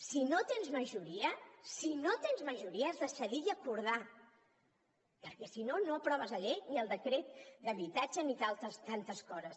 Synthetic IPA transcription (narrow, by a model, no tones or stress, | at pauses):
sinot̪enzməʒuɾiəsinot̪enzməʒuɾiəezðəsəðiəkuɾð̞a | pəɾkɛsinonoəpɾɔβəzəʎejniəlˠd̪əkɾet̪̚d̪əβit̪ad͡ʒənit̪alˠt̪əst̪ant̪əskɔzəs